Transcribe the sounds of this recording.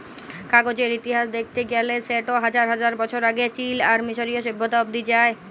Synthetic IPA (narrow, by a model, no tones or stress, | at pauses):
kaɡod͡ʑeɾit̪iɦaʃd̪ekʰt̪eɡɛleseʈoɦad͡ʑaɾɦad͡ʑaɾbɔt͡ɕʰoɾaɡet͡ɕilaɾmiʃoɾijoʃebʱːod̪aob̚d̪id͡ʑae